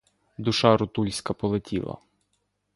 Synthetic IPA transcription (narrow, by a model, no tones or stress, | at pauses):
d̪ʊʃɑɾʊt̪ulʲsʲkɐpɔlˠetʲʰḭlˠɐ̰